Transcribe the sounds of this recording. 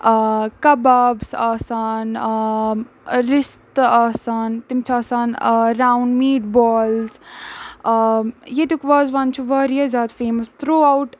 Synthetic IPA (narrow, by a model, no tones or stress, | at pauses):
kɐbabsaːsaːn | ɾɪst̪aːsaːnt̪imt͡ʃʰaːsaːnɾaːwɳɖmiːʈbɔːlz | jet̪ukʋaːzʋɐnt͡ʃʰuʋɐːɾijɐzʲaːd̪feːmɐst̪ʰɾuːawʈ